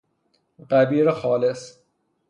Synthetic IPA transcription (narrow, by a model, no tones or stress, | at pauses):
ɢæbiːɾexɒːles